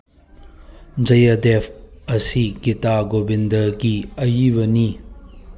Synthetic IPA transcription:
d͡ʒɐjɐd̪epʰɐsikitaɡobind̪ɐɾɡiɐjibɐni

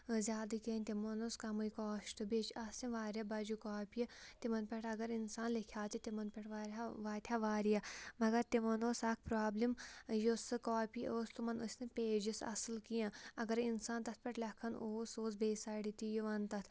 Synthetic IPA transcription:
zʲaːd̪ɨkenʲt̪ʲimɐnoskɐmɐjkoːʃt̪ɨbet͡ʃɐsĩʋaːɾʲjɐbɐd͡ʒukoːpiɐt̪imɐnpʲɐʈɐɡɐɾinsaːnlikʰjaːt̪it̪imɐnpʲɐʈʰʋaːɾʲaʋaːt̪ʲʰaːʋaːɾijɐmɐɡɐɾt̪imɐnoːsɐːk̚ʰpɾaːblimjosɨkaːpiʔoːst̪umɐnusʲnepʲeːd͡ʒisɐ̰sɨlkijãːɐɡɐɾinsaːnt̪ɐt̪̚ʰpʲɐʈlʲɐkʰɐnoːsoːsbeːsɐːɽit̪ijuʋɐnt̪ɐt̪ʰ

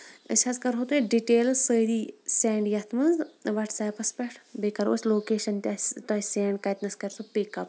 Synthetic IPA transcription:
ə̰t͡ʃʰɐzkɐɾɦot̪eɖiʈeːlsəjd̪iːsɛːɳɖjɐt̪ʰmɐnzʋɐʈsɐːpɐspeʈʰbekɐɾo̰ːsʲloːkeːʃɐnt̪ʲat̪ɐsɛːɳɖkɐjt̪nɐskɐɾsupikɐp

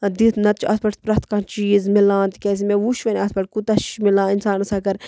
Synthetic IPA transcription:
d̪it̪ʰnɐt̪t͡ʃʰɐsbɐʈt̪pɾɐt̪kat͡ʃiːzmilãːnt̪ikʲeːs̬imeuʃʋɐnʲɐsbɐʈ̚kut̪ɐʃmilãːinsaːnɐsaːkɐɾ

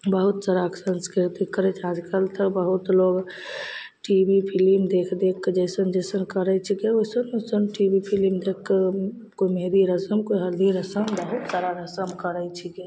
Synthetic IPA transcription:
bəɦut̪səɾaksə̃nskɾɪɾt̪ikːəɾet͡ʃʰad͡ʒkəlt̪ʰəbəɦut̪loɡ | ʈibipʰilimd̪ekʰd̪ekːd͡ʒɛɪsənd͡ʒəɪsənkəɾət͡ʃʰikeoɪsənosənʈibipʰilimd̪ekː | koimed̪iɾəsəmkoiɦəld̪ʱiɾəsəmbəɦut̪saːɾaɾəsəmkəɾəjt͡ʃʰike

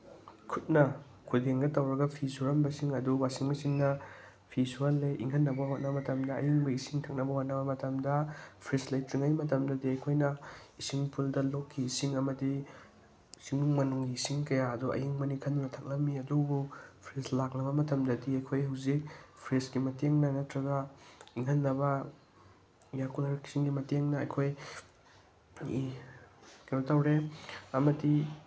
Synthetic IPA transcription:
kʰut̚nɐ | kʰudeŋɡɐtɐwɾɐɡɐpʰisuɾɐmbɐsiŋɐduwasiŋmɐsiŋnːɐ | pʰisuɐlːeʔḭŋkʰɐnːɐbɐɦot̚nɐbɐmɐtɐmdɐ̰ːjiŋbɐisiŋtʰɐk̚nɐbɐhot̚nɐβɐmɐtɐmdɐpʰɾeslajtɾiŋajmɐtɐmdɐdiɐjkʰojnɐisiŋpʰuldɐlokʰːiːsiŋɐmɐdi | siŋuŋmɐnuŋɡiːsiŋkɐjaɐduʔɐ̰jiŋmɐnikʰɐndunɐtʰak̚lɐp̚mːiɐdubupʰɾeslak̚nɐβɐmɐtʰɐmdɐdiɐjkʰojɦawzik̚pʰɾesɡimɐteŋnanɐtɾɐɡɐiŋɦɐnːɐbɐ | jakulɐɾki̥siŋɡimɐteŋnɐɐjkʰoj | kaɐtɐwɾeɐmɐdi

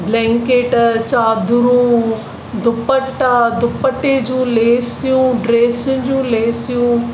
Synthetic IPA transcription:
blɛ̃ːŋkeːʈt͡ʃaːd̪ʱʊɾũː | d̪ʱʊpəʈd̪ʱʊpəʈeːd͡ʒũːleːsijũːɖɾeːsɪ̃d͡ʑũːleːsijũː

